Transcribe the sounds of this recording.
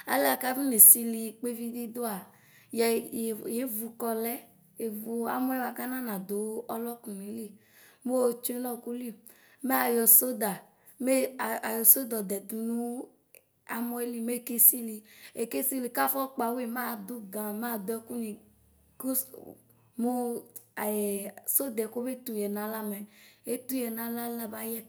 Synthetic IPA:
a̰˨lɛ˦a˨ka˦vi˦ne˨si˧li˨k͡pe˦vi˦d̪i˦d̪o˦a˨ | jɛ˨je˦vu˨kɔ˧lɛ˦ | e˨vu˨a̰˨mɔ˦e˦wa˨ka˦nã˦nã˨d̪o˨˦ɔ˦lɔ˦kũ˨n˨i˨˦li˦ | mo˦˨t͡ʃu˦e˦lɔ˦ku˦li˦˨ | me˦a˨jɔ˨so˦d̪a˨ | me˦˨a˨jɔ˨so˦d̪ɔ˨d̪ɛ˨d̪u˨nũ˦ | a˦mɔ˦e˦li˦me˦˨ke˦si˦li˨e˨ke˦si˦li˨ka˦fɔ˦k͡pa˨we˦˨mã˦˨d̪u˦ɡã˨mã˦˨d̪ɛ˦ku˦nĩ˨ | ku˦ | mo˦˨ | so˦d̪ɛ˨ko˦be˦t̪ũ˨jɛ˨nã˨la˦mɛ˨e˦t̪u˦jɛ˨nã˨la˦la˦ba˦jɛ˦

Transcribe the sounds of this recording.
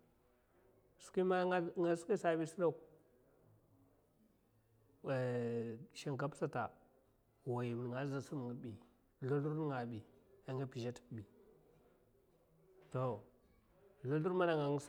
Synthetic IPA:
su̥˨ki˦ma˦ŋa˦ski˦sa˨bi˦si˦ɾa˦k | ʃa˨ŋ˨ka˦psa˦ta˨ | wa˨ji˨m˨n˨ŋa˨˦za˨su˦m˨ŋa˨bi˨ | lu˦lu˦ɾŋa˨bi˨a˨ŋa˦pi˨d͡ʒa˦tbi˨ | to˨ | lu˦lu˦ɾma˦na˨ŋa˨ŋ˦s

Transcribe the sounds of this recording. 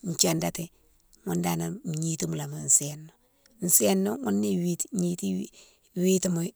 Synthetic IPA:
ɲ˨t͡ʃe˨nda˦ti˨ | ŋu˦nda˨na˨ɲi˦ti˦mu˨la˨ma˨n̩˨se˨nːo | n̩˨se˦nːo˦ŋu˦nːi˦wi˦tɲi˦ti˦ | wi˦ti˦mu˨˦

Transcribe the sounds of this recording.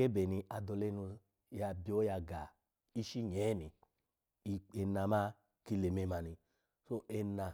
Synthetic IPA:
e˦be˨ni˧a˧do˧le˧˦nu˧ | ja˧bi˧˦o˦ja˧ɡa˨ | i˦ʃi˦ɲɛː˨˦ni˨ | i˧e˧na˧ma˦ | ki˦˧le˨me˧ma˨˧ni˧ | so˦ʔe˧na˨

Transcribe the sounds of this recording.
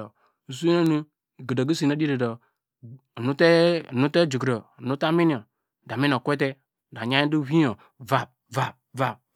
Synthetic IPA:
o˨ | s̬u˦na˦nu˦˨ | ɡi˨do˨ɡi˦si˨na˦di˦da˨do˨ | nu˦te˦˨nu˦te˦d͡ʒu˨ɡɾo˨nu˦ta˦mi˦ni˨ɔ˨ | da˨mi˦no˨kʷe˦t̬e˦˨ | da˨ɲa˦i˦du˦wi˦o˨ | va˨p̚ | va˨p̚va˨p̚

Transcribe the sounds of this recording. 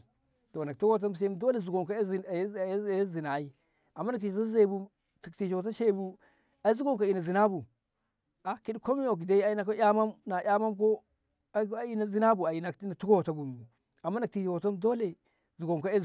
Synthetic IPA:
to˨na˨ktu˦ko˦˨t̬a˦ms̬e˦do˦le˨zu˨ɡo˨ŋko˦˨˦zi˨na˨i˦ | a˨mː˦na˨kti˨˦a˦ze˦˨bu˦ | ti˨ti˨ʃo˨t̬a˦ʃe˦˨bu˦ | a˨˦zu˦ɡo˦ŋka˨i˨na˨zi˨na˦bu˨ | a˨ki˦ɗko˦mi˦o˨ki˨da˦i˦a˨i˦na˨ko˦ja˦ma˦mna˨ja˦ma˦mk̬o˦ | i˦na˨zi˦na˦bu˨a˨i˨na˨ki˦na˨tu˦ɡo˦˨ta˦ɡu˨m˨u˨ | a˨mːa˦na˨ti˨ʃo˨to˦mdo˦le˨ | zu˨ɡo˨ŋko˦e˦

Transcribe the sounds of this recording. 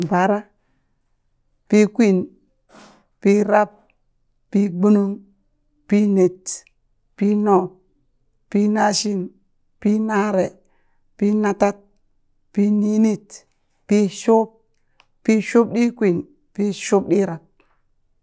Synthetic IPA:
ba˨˦ɾa˦ | pi˦kʷi˦˨n | pi˦ɾa˦p̚ | pi˦ɡ͡bu˦nu˦m | pi˦ne˨t | pi˦no˦˨ | pi˦na˦ʃi˦n | pi˦na˦ɾe˨ | pi˦na˦ta˦t̚ | pi˦ni˦ni˦t | pi˦ʃu˦p̚ | pi˦ʃu˦b̚ɗi˦kʷi˨n | pi˦ʃu˦p̚ɗi˦ɾa˨p̚

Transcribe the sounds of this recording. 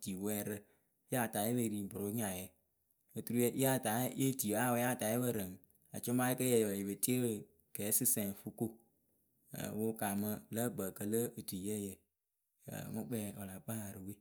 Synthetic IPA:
ti˨wɛː˦ɾɨ˧˦ | ja˦˨ta˨˦je˦be˧˨ɾi˨bʊ˨ɾo˦ɲa˨jə˨ | o˨tu˨ɾu˦je˧ʔa˦˨ta˨˦je˦˨ti˨a˦˨wja˦˨ta˨˦je˦bə˦˨ɾə˨ŋ˨ | a̰˨t͡ʃʊ˦ma˦kə˦jɛ˨jbə˨ji˨bə˨ti˦e˦ɾ | kɛː˨˦sɨ˦sɛ˨ŋ˨fu˦ko˦ | ə̰˨wo˦ka˨mə˧lə˦ɡ͡bə˨kə˦lə˦o˨tu˨jɛ˦˨jə˨ | ə̰˨ŋɔ˦k͡pɛ˨o˨la˨k͡pa˦a˨ɾɨ˨we˦˨

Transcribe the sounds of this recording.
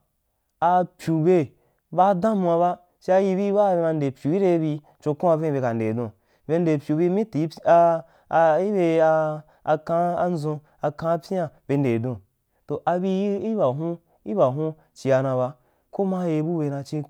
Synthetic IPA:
a˧pʲju˨be˧ | ba˦dã˦mu˧a˧βa˦ | ʃe˧˦a˧ji˧bi˦ba˦˨be˧ma˧n˦de˨pʲju˨i˦ɾe˧˦bi˧ | t͡ʃo˧kũ˦a˧vẽ˦˨be˧ka˨n̩de˨dõ˨ | be˧n˦de˨pʲu˨bi˧˦mĩ˦ti˨˦a˧ | i˦be˧a˧ | kã˦a˧n˦zõ˧ | a˧kã˧˦pʲã˨b̥e˧n̩˦de˨dõ˨ | to˨ʔa˧bi˧˦i˦ba˨ɦũ˦ | i˦ba˨ɦũ˦ | t͡ʃi˧a˧nã˧βa˦ | ko˦ma˦je˧˦bu˦be˧˨nã˧t͡ʃĩ˦

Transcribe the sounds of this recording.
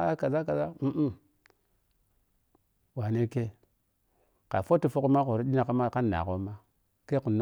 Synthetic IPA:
a˦ka˨za˦ka˨za˦m̩˦ | wa˨ne˦ke˦ | ka̰˨fo˦ti˦˨fo˦ku˦ma˦ko˨ɾi˦ɗi˦na˨ka˦ma˦ka˦nːa̰˨ko˦ma˦ | ke˦ku˨n˦

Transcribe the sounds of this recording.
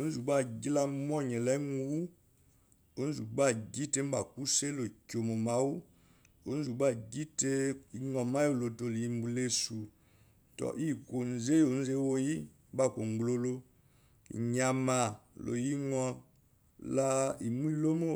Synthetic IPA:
o˦n˦zu˨ba˦˨ɡi˦la˦mɔ˦ɲɛ˨la˦i˦ŋu˦wu˦ | o˦n̩˦zu˨ba˦˨ɡi˦te˦m̩˦ba˨ku˦se˦lo˨ko˨mo˨ma˨˦wu˦ | o˦n̩˦zu˨ba˦˨ɡi˦te˦i˨˦ŋɔ˨ma˦o˦˨lo˨to˨li˨i˦m˦bu˨le˦˨su˨ | tɔ̰˨ʔi˦˨ko˨n˨ze˦o˨˦n̩˦ze˦wo˦ji˦ | ba˦˨ko˨ŋ˨ɡlo˦lo˦˨ | ɲa˨ma˨lo̰˨ji˦ŋɔ˨ | la˦i˨mu˦i˦lo˦mo˦

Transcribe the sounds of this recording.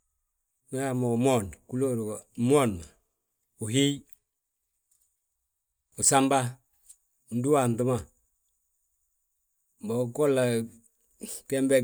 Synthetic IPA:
me˦a˨mo˨mo˦nku˦lo˦ɾmo˦na˨ | u˨ɦi˦j | u˨sa˦mba˦˨ | ndu˦wa˨ntə˦ma˦ | bo˨ko˦lːa˨ | te˦mbe˦

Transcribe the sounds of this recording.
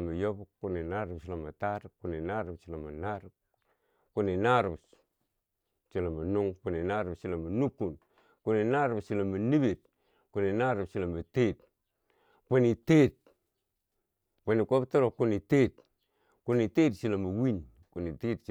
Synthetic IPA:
ma˨jo˦bku˨ni˨na˦ɾa˨bt͡ʃi˨la˨ma˨ta˦ɾkːu˨ni˨na˦ɾa˨bt͡ʃi˨la˨ma˨na˦ɾ | ku˦ni˨na˦ɾbs | t͡ʃi˨la˨ma˨nu˦ŋku˨ni˨na˦ɾbt͡ʃi˦˨la˨ma˨nu˦ku˨n | ku˦ni˨na˦ɾbt͡ʃi˨la˨ma˨ni˦be˨t̚ | ku˨˦ni˨na˦ɾu˨bt͡ʃi˦˨la˨ma˨te˦t | pu˦ni˨te˦t̚ | po˨ni˨ko˦bto˦ɾo˨ku˦ni˨te˦t̚ | ku˦ni˨te˦tt͡ʃi˦la˨mu˨wi˦n | ku˨ni˨te˦tt͡ʃ

